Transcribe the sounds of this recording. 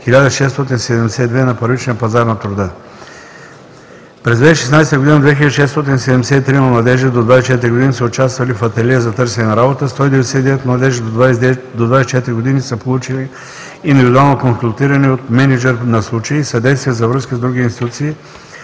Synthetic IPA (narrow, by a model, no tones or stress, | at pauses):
xilʲad̪əʃɛst̪ɔt̪insɛd̪ɛmd̪ɛsɛid̪vɛnɐpɐɾvit͡ʃniəɐpɐzaɾnɐt̪ɾʊd̪ə | pɾɛzd̪vɛʃɛsnajsɛt̪əɡod̪inəd̪vɛxilʲəd̪ʃɛst̪ɔt̪̬insɛd̪ɛmd̪ɛsɛit̪ɾiməmlˠɐd̪ɛʒɛd̪od̪vajsɛt͡ʃɛt̪ɾiɡod̪inisəʊt͡ʃast̪vɐlifɐt̪ɛlɛzɐt̪ɤɾsɛnɛnɐɾabot̪əst̪ɔid̪ɛvɛd̪ɛsɛid̪ɛvɛt̪mlˠɐd̪ɛʒid̪od̪vasd̪od̪vajsɛt͡ʃɛt̪ɾiɡod̪inisəpolˠut͡ʃiliː | nd̪ivid̪ualˠnokonsulˠt̪iɾɐniot̪mɛnid͡ʒɛɾnɐslˠut͡ʃəiisɐd̪ɛjst̪viəzɐvɾɤskəzd̪ɾuɡʲiinst̪i̥t̪ut̪siː